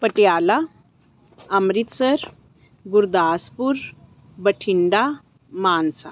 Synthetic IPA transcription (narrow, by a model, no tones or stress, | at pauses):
pəʈjala | amɾit̪səɾ | ɡuɾd̪aːspuɾ | bəʈʰiɳɖa | maːnsa̰